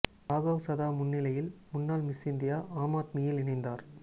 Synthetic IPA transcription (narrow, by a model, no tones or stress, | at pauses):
aːɣɐːʋsɐðaːmʊnːɪlɐjɪlmʊnːaːlmɪsɪnd̪ɪjaːʔaːmaːt̪miːjɪlɪnɪnd̪aːɾ